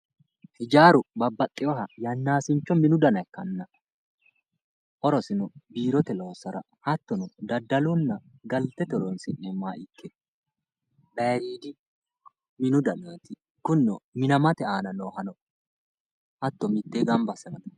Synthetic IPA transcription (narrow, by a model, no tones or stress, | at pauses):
hɪd͡ʒaːɾʊbɐbːɐt̪ʼːɪjɔɦɐjɐnːaːsɪnt͡ʃːɔmɪnʊd̪ɐnɐkːɐnːɐ | ʔɔɾɔsɪnɔbiːɾɔt̪ɛloːsɐɾɐ̰ | hɐt̪ːɔnʊd̪ɐd̪ːɐlʊnːɐɡɐlt̪ːɛt̪ɔɾɔnsɪnːɛmaːʔɪkʰːɛ | bɛɾiːd̪ɪ | mɪnʊd̪ɐnɔt̪ɪ | kʊnːɔmɪnɐmɐt̪ɛaːnɐnoːɦɐnɔ | hɐt̪ːɔmɪt̪ːeːɡɐmbɐsɐnɐd̪ɐ̥